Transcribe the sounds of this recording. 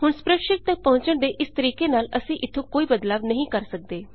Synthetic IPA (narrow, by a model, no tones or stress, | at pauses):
hʊɳspɾəkʃɪk̚t̪ãːpəɦʊ̃ɲt͡ʃəɳd̪eːʔɪst̪əɾiːkeːnaːləsĩːʔɪt̪ʰːõkoːiːbəd̪laːbnəɦĩːkəɾsək̚d̪eː